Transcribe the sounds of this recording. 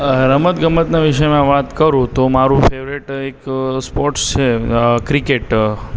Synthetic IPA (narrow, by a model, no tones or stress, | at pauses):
ɾəmət̪ɡəmət̪naʋiʃəmãʋat̪kəɾũt̪omaɾũfeʋɾiʈekspɔɾʈst͡ʃʰekɾikeʈ